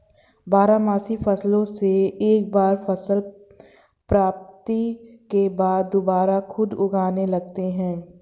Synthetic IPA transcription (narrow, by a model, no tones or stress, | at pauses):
baːɾamaːsifʰɐslõseːk̚baːɾfɐsəl | pɾaːp̚t̪ikebaːd̪ːobaːɾaxʰʊd̪ʊɡaːnelɐɡ̚t̪eɦɛ̃ː